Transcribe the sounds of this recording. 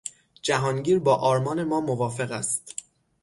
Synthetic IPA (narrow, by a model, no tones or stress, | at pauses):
d͡ʒæɦɒːnɟiːɾbɒːʔɒːɾmɒːne̞mɒːmovɒːfe̞ɣæst̪